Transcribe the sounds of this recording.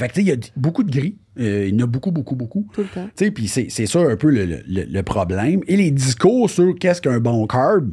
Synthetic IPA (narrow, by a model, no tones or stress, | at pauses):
fak̚t͡sejʌbokud̪əɡʲʁi | əinɔbukubokubokuult̪t͡sepisesɛsɔœ̃ːpølələ̰lə̰ləpχʁɔblɛ̃jmeled͡ziskʊːʁsyʁkʲɛskœ̃bɔ̃kʰɑɹb